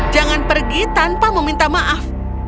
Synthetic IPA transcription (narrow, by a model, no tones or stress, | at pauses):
d͡ʒaŋanpərɡit̪anpaməmint̪amaʔaf